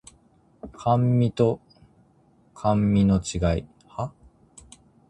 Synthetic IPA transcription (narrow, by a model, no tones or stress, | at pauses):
kʰãmːʲit̪o̞ | kʰãmːʲino̞t͡ɕiɡaḭ | ha